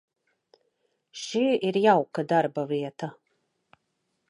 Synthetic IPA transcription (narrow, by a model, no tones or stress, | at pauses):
ʃiiɾjawkad̪aɾbaviɛt̪a